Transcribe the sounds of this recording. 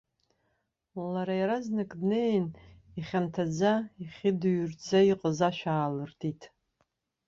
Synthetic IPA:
laɾajaɾaznɨkʼdnejniχʲantʰad͡zaiχʲɪdɥrd͡zaiqʼəzaʃᶣaːlɨrtʰitʰʼ

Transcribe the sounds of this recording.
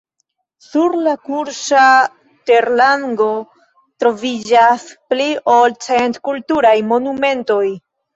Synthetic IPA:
suɾlakuɾʃa | te̞ɾlaŋɡo̞ | tɾo̞vid͡ʒaspliʔolt͡sentkultuɾajmo̞nume̞nto̞j

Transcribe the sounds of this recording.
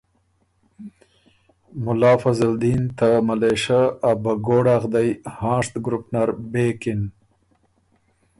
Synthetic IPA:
mʊlɑːfazald̪iːnt̪amaleʃaabaɡoɽaɣd̪ajhɑ̃ːʂt̪ɡɾʊpnaɾbekɪn

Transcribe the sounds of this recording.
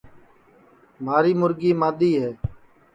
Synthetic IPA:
maːɾiːmʊɾɡiːmaːd̪iːɦɛː

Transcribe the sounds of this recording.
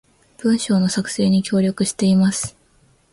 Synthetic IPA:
b̥ɯ̟̃ɰ̃ɕo̞ːno̞sakɯ̟̥se̞ːɲ̟ikʲo̞ːɾʲo̞kɯ̟ɕi̥t̪e̞imasɨ̥

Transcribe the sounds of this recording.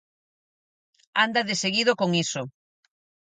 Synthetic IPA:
and̪aðeseɣiðokoŋiso

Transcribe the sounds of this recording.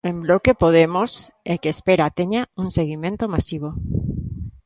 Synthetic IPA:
ẽmblokepoð̞emosekeːspeɾat̪eɲauŋseɣ̞imẽnt̪omasiβ̞o

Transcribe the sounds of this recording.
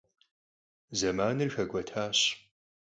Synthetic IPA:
zɐmaːnɨrxɐɡʷɔtʰaːɕ

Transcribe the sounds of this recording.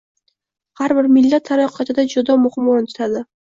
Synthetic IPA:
haɾbɪɾmɪlːat̪ʰːaɾɒqʰɑt̪ʰɪd̪ad͡ʒʊd̪ɒmʊhɨmːɒnɪt̪ʰʊ̥t̪ʰad̪ɪ

